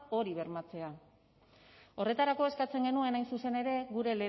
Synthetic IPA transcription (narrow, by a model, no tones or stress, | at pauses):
o̞ɾiβe̞ɾmat͡se̞a | o̞re̞t̪aɾako̞e̞skat͡se̞ŋɡe̞nue̞najnsuse̞ne̞ɾe̞ɣuɾe̞le